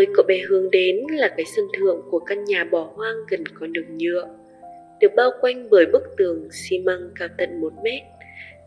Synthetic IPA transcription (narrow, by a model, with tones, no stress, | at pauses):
t̪o˧jkɔ˨˦ɓɛ˨˩hɨ˨˩əŋɗe˨˦nlaː˨˩kaː˨˦jsə˧nt̪ʰɨ̰˧˨əŋku˧˩əka˧nɲaː˨˩ɓɔ˧˩hwaː˧ŋɣə˨˩nkɔ˨˦ɗɨ˨˩ək̚ɲɨ̰˧˨əʔ | ɗɨ˨˩ək̚ɓaː˧wkwa˧jŋ̟vəː˧˩jɓɨ˦˥k̚t̪ɨ˨˩əŋsi˧ma˧ŋkaː˧wt̪ə̰˧˨nmo˨˩˦t̚mɛ˦˥t̚